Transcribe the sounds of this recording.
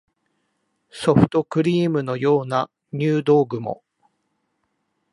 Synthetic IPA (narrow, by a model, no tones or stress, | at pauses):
so̞ɸɯ̟̥t̪o̞kɯ̟ɾʲiːmɯ̟no̞jo̞ːna | ɲ̟ʲɨːd̪o̞ːɡɯ̟mo̞̰